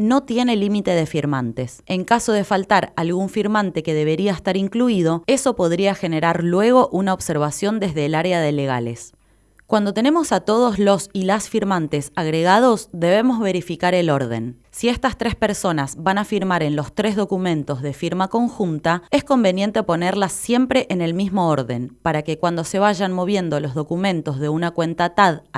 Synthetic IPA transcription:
no̞t̪je̞ne̞limit̪e̞ð̞e̞fiɾmant̪e̞se̞ŋkaso̞ð̞e̞falt̪aɾalɣuɱfiɾmant̪e̞ke̞ð̞e̞βe̞ɾiaest̪aɾiŋkluið̞o̞e̞so̞po̞ð̞ɾiaxe̞ne̞ɾaɾlwe̞ɣ̞o̞ʔunaoβse̞ɾβ̞asjo̞nd̪e̞zðe̞ːlaɾeaðe̞le̞ɣ̞a̰le̞̰s | kwand̪o̞t̪e̞ne̞mo̞sat̪o̞ð̞o̞slo̞silasfiɾmant̪e̞saɣɾe̞ɣað̞o̞sðe̞βe̞mo̞zβe̞ɾifikaɾe̞lo̞ɾðe̞̰nː | ie̞st̪ast̪ɾe̞spe̞ɾso̞nazβanafiɾmaɾe̞nlo̞st̪ɾezðo̞kumẽ̞nt̪o̞zðe̞fiɾmako̞ŋxunt̪ae̞sko̞mbe̞nje̞nt̪e̞po̞ne̞ɾlasːje̞mpɾe̞ʔene̞lmizmo̞oɾðe̞̰npaɾake̞kwand̪o̞se̞β̞aʒanmo̞β̞je̞nd̪o̞lo̞zðo̞kumẽ̞nt̪o̞zð̞e̞unakwe̞nt̪at̪að

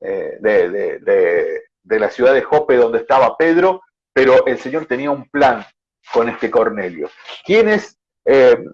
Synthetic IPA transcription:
ḛd̪eðḛd̪e | d̪elasjuðaðexopeðo̞nd̪est̪aβape̞ð̞ɾo̞ | peɾo̞ʔelse̞ɲo̞ɾt̪e̞niaumplaŋ | ko̞ne̞st̪eko̞ɾne̞ljo̞̰ | kjenes | e

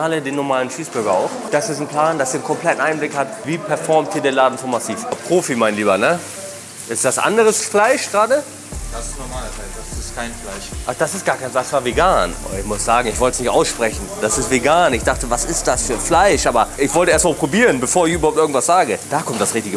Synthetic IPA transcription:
aːlədeːnɔɐmaːlənʃiːsb̥ʏɐɡɐa̰ʊxd̥asɪstn̩pl̥aːndasiːnkʰɔmpl̥ɛtn̩ʔaɪnblɪkhatviːpʰɛɐfɔɐmt̚diːɐdeːnlaːdn̩fɔnmasiːfapʁ̥oːfimaɪnliːbɐnə | ʔɪstd̥asʔa̰ndəʁəsflaɪʃɡ̥ʁaːdə | d̥assnɔmaːlfaɪ̥sɪskʰaɪnflaɪʃʔad̥asɪst̚ɡ̥aːɐkʰaɪnsasv̥aːɐveɡaːno̰ɪçmʊsz̥aːɡŋ̩ɪçvɔltə̥snɪçtʔaʊsʃpʁ̥ɛçn̩d̥asɪstv̥eɡaːnɪçd̥aχtəvasɪst̚d̥asfyːɐflaɪʃʔaːbɐʔɪçv̥ɔltəeɐstmalpʁ̥obiːʁənbəfoːɐɪçʔyːbɐhoʊp̚tɪɡŋ̩tv̥asz̥aːɡəd̥aːkʰɔmtd̥asʁɪçtɪɡə

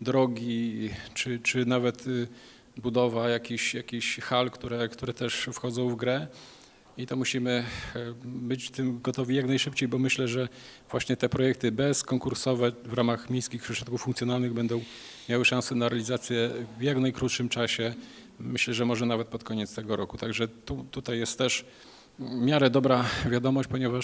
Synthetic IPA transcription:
d̪ɾɔɡʲit͡ʂɘt͡ʂɘnavɛt̪ | bud̪ɔvajakʲiɕjakʲiɕxalkt̪uɾɛkt̪uɾɛt̪ɛʂfxɔd̪zɔ̃w̃vɡɾɛ | it̪ɔmuɕimɘ | bɘt͡ɕt̪ɘmɡɔt̪ɔvʲijaknajʂɘpt͡ɕejbɔmɘɕlɛʐɛ | v̥waɕɲɛt̪ɛpɾɔjɛk̚t̪ɘbɛskɔŋkuɾsɔvɛvɾamaxmʲjejskʲixpʂɛʂɔt̪kufːuŋkt̪sʲjɔnalnɘɣbɛnd̪ɔ̃w̃ | mʲjawɘʂãw̃sɛnaɾalʲizat̪sʲjɛvjaknajkɾut̪ʂɘmt͡ʂaɕɛ | mɘɕlɛʐɛmɔʐɛnavɛt̪̚pɔt̪kʰɔɲɛt̪st̪ɛɡɔɾɔkut̪aɡʐɛt̪ut̪ut̪ajːɛst̪ːɛʂ | mʲjaɾɛd̪ɔbɾavʲjad̪ɔmɔɕt͡ɕpɔɲɛva

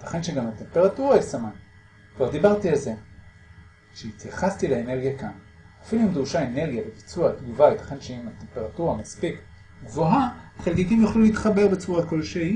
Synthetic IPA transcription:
et̪ḁχe̞nʃeɡamat̪e̞mpe̞ʁatuʁaesaman | kvaʁd̪ibaʁtialze̞ | ʃeit̪jaχastileene̞ʁɡijakan | afiluimduʃaene̞ʁɡjavebit͡suatɡuvaetḁχenʃeimat̪e̞mpeʁatuʁamaspik | ɡvo̞ɦaχelkikimjaχluleit̪χabe̞ʁbet͡suʁakolʃei

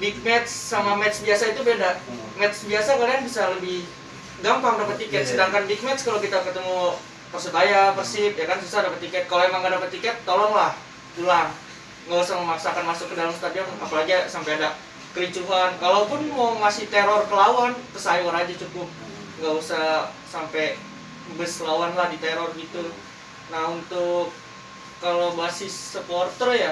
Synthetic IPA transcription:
bik̚mɛt̪sːamamɛt̪sbiasait̪ubeda | mɛt̪sbiasakalianbisaləbɪh | ɡampaŋdapət̪ːikɛt̪̚sədaŋkanbik̚mɛt̪skalokit̪akət̪əmu | pərsut̪ajapərsip̚jakansusadapət̪ːikɛt̪̚kaloemaŋɡadapət̪ːikɛt̪̚ːolɔŋlah | tulaŋ | ŋɡausahməmaksakanmasʊkːədalamst̪adiaapaaɡasampejada | kəɾit͡ʃuɦankalawpʊnmawmasɪt̪eɾɔrkəlawanpəsajwaɾad͡ʒat͡ʃukʊp̚ | ŋɡausasampɛ | mbəslawanlahdit̪eɾɔrɡit̪u | naunt̪ʊkː | alobasɪsːəpɔrt̪roja

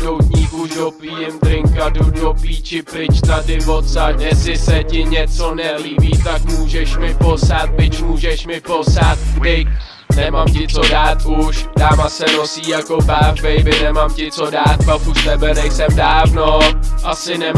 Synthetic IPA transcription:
dowt̪ɲiːvuʃdopliːjɛmt̪ɾɪŋkadudokliːt͡ʃɪpɾɪt͡ʃt̪adɪvot̪sakjɛsɪsɛcɪɲɛt͡so̞nɛliːbiːt̪akmuːʒɛʃmɪpo̞sat̪̚bɪcmuːʒɛʃmɪpo̞sat̪̚ɡdɪk | nɛmamcɪt͡so̞daːt̪ʔuʃdaːmasɛnosiːjako̞baːvbɛjbɪnɛmamcɪt͡so̞daːt̪̚bafust̪ɛbɛnɛjsɛmdaːvnoʔasɪnɛm

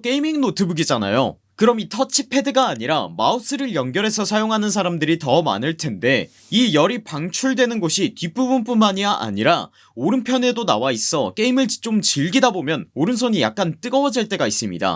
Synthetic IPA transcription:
k͈e̞imiŋnotʰɯbuɡid͡ʑana̰jo̰ | kɯɾʌmitʰʌt͡ɕʰipʰe̞dɯɡaːɲiɾama̰us͈ʰɯɾɯɭjʌŋɡjʌɾe̞sʰʌsʰajoŋɦanɯns̬ʰaɾamdɯɾitʌma̰nɯɭtʰe̞nde̞ | ijʌɾipaŋt͡ɕʰuɭdwe̞nɯnɡoɕʰitip͈ubunp͈unmaɲiaʔa̰ɲiɾa | oɾɯnpʰjʌne̞donawais͈ʌk͈e̞imɯɭt͡ɕ͈omt͡ɕiɭɡidabomjʌnoɾɯns̬ʰoɲija̰k̚k͈ant͈ɯɡʌwʌd͡ʑiɭt͈e̞ɡais͈ɯmɲḭda̰

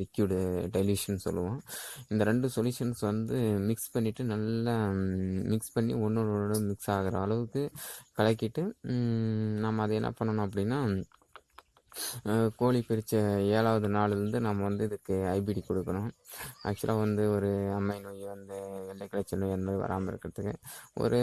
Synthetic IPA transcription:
ɾɪkjuːɽɖɐɪljʋiːʂɐnsɔ̰lːɯʋõːɪnd̪ɐɾɛɳɖɯsɔljuːʂɐnsʋɐnd̪ɯmɪkspɐɳːɪʈːɯnɐlːɐ | mɪkspɐɳːḭɔnːɔɾɽɯmɪksaːɣɯɾɐ̰̃ɐlɐʋɯkːɯkɐɭɐk̬ːɪʈːɯ | naːmɐːðɐɛnːɐ̰pɐɳːɐɳõːɐp̬ːɐɽɪnːaː | koːɭipɪɾɪt͡ʃːɐeːɭaːʋɐðɯnaːɭɯɾɯnd̪ɯnaːmːɐʋɐnd̪ɯɪðɯkːɯɐɪb̬iɽikɔɽɯkːɐɳʊ̃ːʔɐ̰k̚t͡ʃːʊɐlʔaːʋɐnd̪ɯɔɾɯɐmːɐɪnoːjʋɐnd̪ɯʋɛɭːɐɪkɐɭɐt͡ʃːɐlːʊ̃ɛnd̪ɐmaːd̪ɾiʋɐ̰ɾaːmɐɪɾɯkːɪɾɐðɯkːɯɔ̰ɾɯ

